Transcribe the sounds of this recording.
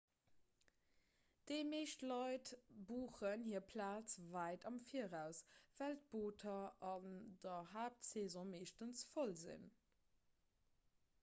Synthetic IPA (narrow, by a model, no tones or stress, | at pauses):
d̥əɪmeːʃtlɑɪtbuːχənhiːɐpʰlaːt͡svæɪtɑmfiːəʁæʊsv̥ælt̚b̥oːtʰɐɑndɐɦaːp̚tseːzɔ̃meːʃtənsfolzḭn